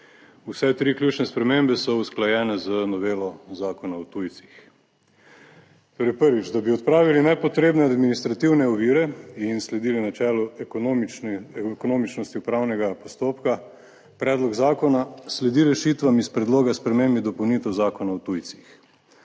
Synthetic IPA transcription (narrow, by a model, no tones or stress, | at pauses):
usɛt̪ɾiːkljuːt͡ʃnɛspɾɛmembɛsɔusklajɛːnɛzənɔʋeːlɔzaːkɔnaɔt̪ujt̪si̥x | t̪oːɾɛjpəɾʋit͡ʃd̪abiɔt̪̚pɾaːʋilinɛpɔt̪ɾeːbnɛad̪minist̪ɾat̪iwnɛɔʋiːɾɛinslɛd̪ilinat͡ʃɛːlɔ | kɔnoːmit͡ʃnɔst̪iupɾawnɛɡapɔst̪oːpka | pɾɛːd̪lɔɡzaːkɔnaslɛd̪iɾɛʃit̪ʋamispɾɛd̪loːɡaspɾɛmembid̪ɔpɔwnit̪ɛwzaːkɔnaɔt̪ujt̪si̥x